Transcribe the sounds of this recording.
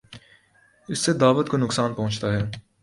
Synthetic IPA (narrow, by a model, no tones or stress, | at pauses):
ɪsːed̪aːʋət̪konʊksaːnpɐ̃ɦʊ̃nt͡ʃt̪aɦɛː